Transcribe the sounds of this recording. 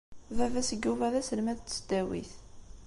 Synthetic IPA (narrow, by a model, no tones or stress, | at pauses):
vævæsəɡːuvæðæsəlmæðt͡sːsəd̪æwḭθ